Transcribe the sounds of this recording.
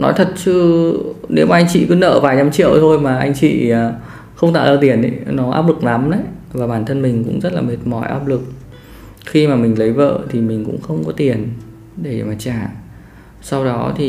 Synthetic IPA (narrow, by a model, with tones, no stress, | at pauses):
nɔ̰˨˦jt̪ʰə˨˩t̚t͡ɕɨ˧ne˨˦wmaː˨˩ʔa˧jŋ̟t͡ɕḭ˧˨kɨ˨˦nə̰ː˧˨vaː˨˩jɲa˧mt͡ɕḭ˧˨əwt̪ʰo˧jmaː˨˩ʔa˧jŋ̟t͡ɕḭ˧˨˩ | xə˧wŋ͡mt̪a̰ː˧˨ləː˧˩t̪i˨˩əni˧˨˦nɔ˨˦ʔa̰ː˦˥p̚lɨ˨˩k̚na˨˦mnə̰˧˥j | vaː˨˩ɓaː˨˩nt̪ʰə˧nmï˨˩ŋ̟kʊ̰˧˥ŋ͡mzə˦˥t̚laː˨˩me˨˩t̚mɔ˧˩jʔa̰ː˦˥p̚lɨ˨˩k̚ | xi˧maː˨˩mï˨˩ŋ̟lə˨˦jvə̰ː˧˨t̪ʰi˨˩mï˨˩ŋ̟kʊ̰˧˥ŋ͡mxə˧wŋ͡mkɔ˨˦t̪i˨˩ən | ɗe˧˩maː˨˩t͡ɕaː˧˩ | sa˧wɗɔ˨˦t̪ʰi˨˩